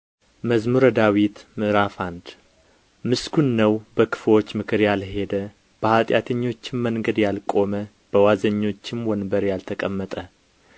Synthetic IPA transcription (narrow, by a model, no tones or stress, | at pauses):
məzmuɾəd̪awit̪mɨɾafand̪ | mɨskunːəwb̥əkʰɨ̥flo̞t͡ʃːmɨkʰɨɾjalhe̞d̪ə | b̥əhat̪ʼjat̪ʰəɲːo̞t͡ʃːɪmːəŋɡəd̪jalkʼo̞mə | b̥əwazəɲːo̞t͡ʃːɪmwɔnbəɾjalt̪ʰəkʼəmːət̪ʼə